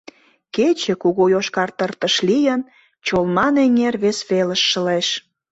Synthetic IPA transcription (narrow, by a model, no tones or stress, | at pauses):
ket͡ɕĕkuɣojoʃkɑrt̪ərt̪əʃlijən | t͡ɕolmɑneŋʲerβesβeləʃːəleʃ